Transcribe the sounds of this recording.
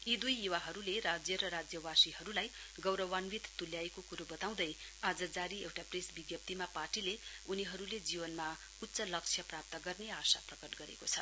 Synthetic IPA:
id̪ujiwaɦʌɾuleɾad͡zjʌɾʌɾad͡zjʌwasiɦʌɾulaj | ɡʌwɾʌwanwit̪t̪uljaekokuɾubʌt̪aw̃d̪ʌjad͡zʌd͡zaɾiewʈapresbiɡjʌp̚t̪imaparʈile | uniɦʌɾuled͡zibʌnma | ut̪ːsʌlʌk̚t͡sʰjʌprap̚t̪ʌɡʌrneasa̰prʌkʌʈɡʌɾḛkot͡sʰʌ

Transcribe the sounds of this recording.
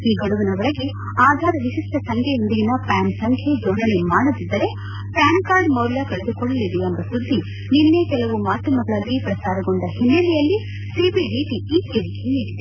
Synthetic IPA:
iːɡɐɽuʋinɐʋɐɭɐɡe | aːd̪ʱaːɾɐʋiʃisʈɐsɐŋkʰɛjond̪iɡinɐpaːnsɐŋkʰed͡ʒoːnɐnemaːɽud̪id̪ːɐɾe̞ | paːnkaːɾɖmɐwɾlakɐɭed̪ukɔɭːɐlid̪eɐmb̪ɐsud̪ːi | ninːekɛlɐʋumaːt̪ːɐmɐɡɐɭɐlːipɾɐsaːɾɐɡoɳɖɐhinːɐlijɐlːi | siːbiɖiʈiiːeɾikʰeeːɾid̪e

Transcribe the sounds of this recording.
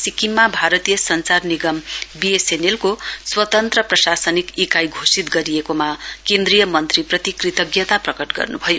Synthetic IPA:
sikimːabʱaɾʌt̪ijʌsʌnt͡sarniɡʌmbiesenelkoswʌt̪ʌnt̪rʌprʌsasʌnikikajɡʱosit̪̚ɡʌɾijekomakend̪rijʌmʌnt̪riprʌt̪ikrit̪ʌɡjʌt̪aprʌkʌʈɡʌ̰rnṵbʱʌjo

